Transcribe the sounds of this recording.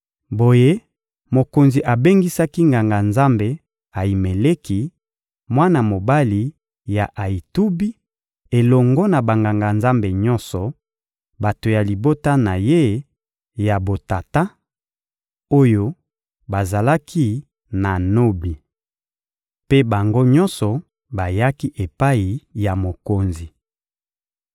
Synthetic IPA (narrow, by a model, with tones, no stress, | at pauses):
bo˨je˦ | mo˨ko˨nzi˨ʔa˨be˦ŋɡi˦sa˦ki˦ŋɡa˨ŋɡa˨nza˦mbe˨ | a˨i˨me˨le˦ki˨ | mwa˦na˨mo˨ba˦li˨ | ja˨ʔa˨i˨tu˦bi˦ | e˨lɔ˨ŋɡɔ˦na˨ba˨ŋɡa˨ŋɡa˨nza˦mbe˨ɲɔ̃˦nsɔ˨ | ba˨to˨ja˨li˨bo˦ta˦na˨je˦ | ja˨bo˨ta˨ta˦ | o˦jo˦ | ba˨za˨la˦kʰi˦ | na˨no˦bi˨ | pe˦ba˨ŋɡo˦ɲɔ̃˦nsɔ˨ | ba˨ja˦ki˦ʔe˨pa˦i˨ja˨mo˨ko˨nzi˨